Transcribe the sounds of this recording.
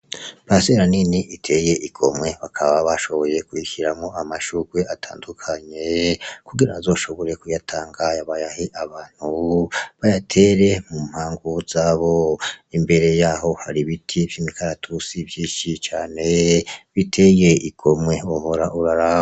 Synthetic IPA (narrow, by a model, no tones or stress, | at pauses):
βaseɾaniniʔitʰe̞je̞ʔiɡ̥o̞̰mŋwe̞βakʰaβaβaʃo̞βo̞jekuiçiɾamŋo̞amaʃuːɡweʔatʰa̰ːndukʰaɲe̞kuɡiɾaazo̞ːʃo̞βo̞ɾe̞kujatʰaːŋɡajaβajahiʔaβaːn̥huβajatʰe̞ɾe̞mum̥haːŋɡuz̥aːβo̞imbe̞ɾe̞jaːɦo̞haɾiβitʰivjimikʰaɾatʰusivjiːʃit͡ʃaːne̞βitʰe̞je̞ʔiɡ̥o̞mŋwe̞oho̞ɾaʔuɾaɾa